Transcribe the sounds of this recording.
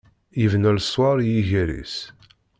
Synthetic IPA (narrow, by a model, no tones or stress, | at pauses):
jəvnælswɑɾˤjiʝæɾḭs